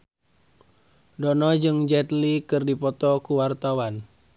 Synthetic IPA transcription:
dɔnɔd͡ʒɨŋd͡ʒɛt̪likɨrdipɔt̪ɔkuwart̪awan

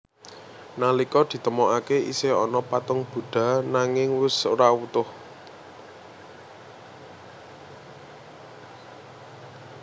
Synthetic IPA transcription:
nalikɔd̪̥i̤t̪əmɔʔakeḭseɔ̰nɔpat̪ʊŋb̥ṳɖ̪̥ä̤naŋɪŋwʊsoɾawut̪ʊh

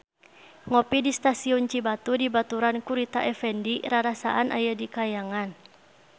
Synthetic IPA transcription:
ŋɔpidist̪asiɔnt͡ʃibat̪udibat̪uɾankuɾit̪aʔɛfɛndiɾaɾasa̰ʔanʔa̰jədikajaŋan

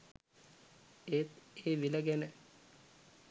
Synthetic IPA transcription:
eːt̪eːʋiləɡænə

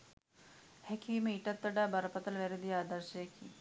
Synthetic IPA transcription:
hɛkʰiːmẽiʈɐt̪ːəɖaːbɐɾɐpɐt̪ɐlʋɛɾed̪iaːd̪əɾʃekʰiː

